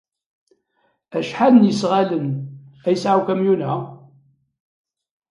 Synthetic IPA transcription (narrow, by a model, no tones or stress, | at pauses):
æʃħaðənjəsʁalənæjəsʕawkæmjunæ